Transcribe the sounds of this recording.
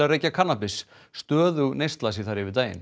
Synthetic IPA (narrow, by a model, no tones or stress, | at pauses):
areːjcakʰanːapɪsː | t̪œːðʏɣnejst̪lasiθaɾɪvɪt̪aːjɪ̰n